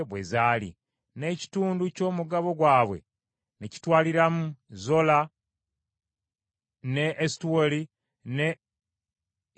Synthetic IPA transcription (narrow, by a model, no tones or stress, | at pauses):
βwe̞̰zaːlḭ | ne̞ci̥tuːnduco̞ːmuɡaβo̞ɡwaːβwe̞̰ | neci̥twaːliɾamuzo̞la | ne̞ʔːsi̥tuwoli | ne